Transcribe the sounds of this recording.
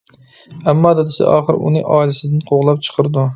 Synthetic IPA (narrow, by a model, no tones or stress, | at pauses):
æmːɑːd̪ɪd̪ɪsa̰ʔɒ̰ːχɨɾṵnɪ̰ʔɑːilɪsɪd̪ɪnqʰoʁlˠɑp̚t͡ʃʰə̥qʰɨɾd̪u